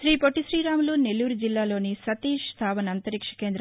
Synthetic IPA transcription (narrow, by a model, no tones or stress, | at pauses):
ʃɾiːpoʈːisɾiːɾaːmluːnelːuːɾud͡ʒilːaːlo̞ːnisɐt̪iːʂst̪ʰaːʋɐnɐnt̪ɐɾikʂɐ̥ke̞ːnd̪ɾ